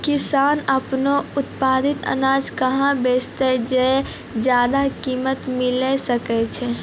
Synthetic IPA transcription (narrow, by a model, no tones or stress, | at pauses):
kisaːnəpnoʊt̪paːd̪it̪ə̰naːd͡ʒkəɦãbeːt͡ʃt̪ɛd͡ʒɛ | d͡ʒjaːd̪akimət̪milɛsəkɛt͡ʃʰɛ